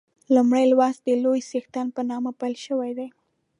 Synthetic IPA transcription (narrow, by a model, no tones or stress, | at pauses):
lumɽajlwɑsd̪əlojsext̪anpənɑmapalʃəwajd̪aj